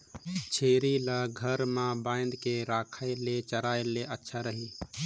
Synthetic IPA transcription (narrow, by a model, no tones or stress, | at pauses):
t͡ʃʰeːɾiləɡʱəɾmãbãːɪ̃nd̪keɾaːkʰaɪlet͡ʃəɾaːeleʔətːʃʰaɾəɦiː